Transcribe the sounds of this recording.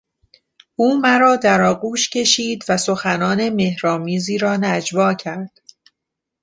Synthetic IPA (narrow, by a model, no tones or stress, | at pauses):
ʔuːmæɾɒːd̪æɾɒːɡuːʃcʰe̞ʃiːd̪væso̞xænɒːne̞me̞hɾɒːmiːziːɾɒːnæd͡ʒvɒːcʰæɾd̪̥